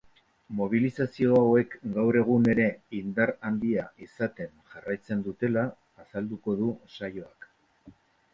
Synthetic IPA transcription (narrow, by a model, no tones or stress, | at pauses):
mo̞β̞ilisasio̞awe̞kɡawɾe̞ɣ̞une̞ɾe̞ind̪aɾand̪iaʔisat̪e̞nʝarajt͡se̞nd̪ut̪e̞laː | sald̪uko̞ðusajo̞ak